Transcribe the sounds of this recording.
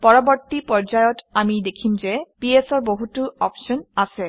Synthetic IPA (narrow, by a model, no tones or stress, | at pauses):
pɔɹɔbɔɹtipɔɹd͡ʒajɔtamidekʰimzɛpiesɔɹboɦutʊɔpʃɔnasɛ